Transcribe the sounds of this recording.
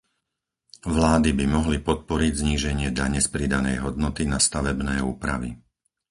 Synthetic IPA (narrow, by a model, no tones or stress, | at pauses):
ʋlaːd̪ibimɔɦlipɔt̪̚pɔɾiɟzɲiːʒɛɲɪɛd̪aɲɛspɾid̪anɛjɦɔd̪nɔt̪inast̪aʋɛbnɛːuːpɾa̰ʋḭ